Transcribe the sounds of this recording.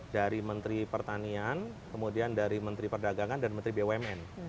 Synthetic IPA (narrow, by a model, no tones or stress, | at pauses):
daɾimənt̪ɾipərt̪anian | kəmudiandaɾimənt̪ɾipərdaɡaŋandaɾimənt̪ɾibewɛmɛn